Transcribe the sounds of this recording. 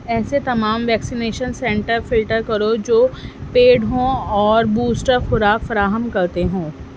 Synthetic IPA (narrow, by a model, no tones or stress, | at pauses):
ɛːset̪ɐmaːmʋɛːksineːʃənsɛ̃ɳʈəɾfɪlʈəɾkɐɾod͡ʒoːpeːɖɦõɔːɾbuːsʈəɾxʊɾaːkfɐɾaːɦəmkɐɾt̪eɦõː